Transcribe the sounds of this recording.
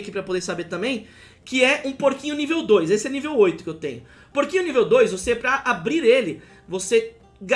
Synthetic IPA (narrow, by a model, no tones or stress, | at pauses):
kipɾɐpod̪eɾsabeɾt̪ɐ̃mbẽj̃ | kɪɛʔũpoɾkĩɲʊnivewd̪ojzesɪɛnivewojt̪ʊ̥kɪewt̪ḛ̃ɲʊ | poɾkĩɲʊnivewd̪ojzvoseɛpɾɐʔabɾiɾelɪ | vose | ɡa